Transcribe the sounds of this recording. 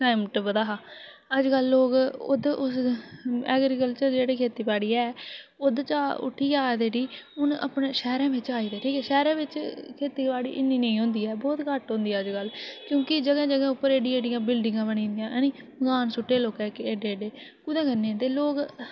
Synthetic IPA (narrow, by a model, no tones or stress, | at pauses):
ʈaːɪmʈbəd̪aːɦaːəd͡ʒkəlːoːɡʊ̰d̪ʊs | ɛ̰ːɡɾikəlt͡ʃəɾd͡ʒeːɽiːkʰeːt̪iːpaːɽiːɛːʊd̪t͡ʃaːʔʊ̰ʈʰːiːaːd̪eːɖiːʊnə̰pɳeːʃɛːɾɛ̃ːʋɪt͡ʃaːiːd̪eːʈʰiːkɛːʃɛːɾɛ̃ːʋɪt͡ʃkʰeːt̪iːpaːɽḭːʔɪnːiːnəĩːɦʊ̃ːnd̪iːɛːbɔːt̪kəʈɦõːnd̪iːɛːəd͡ʒkəlkjõːkɪd͡ʒəɡɛ̃ːd͡ʒəɡɛ̃ːʊpːəɾeːɖĩeːɖɪjãːbɪlɖɪ̃ŋɡãːbəɽĩːnd̪ɪjãːʔniː | ɡaːnsʊʈːeːloːkɛːkeːɖeːɖeːkʊd̪ɛ̃ːkənːẽːt̪eːloːɡ